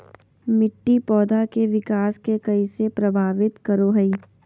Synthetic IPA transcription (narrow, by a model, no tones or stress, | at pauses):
mɪʈːipɔːd̪akeʋɪkaːskekɐisepɾɐbʱaːʋɪt̪kɐɾoɦɐiː